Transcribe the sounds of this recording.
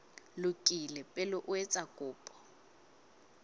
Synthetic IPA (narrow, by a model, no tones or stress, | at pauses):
lʊkʼilɛpʼɛlʊʔwɛt͡sʼakʼʊːpʼɔ̥